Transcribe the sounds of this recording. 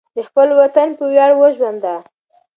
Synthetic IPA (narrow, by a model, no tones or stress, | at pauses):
d̪əxpəlwat̪anpəwjɑɽwəʒwand̪a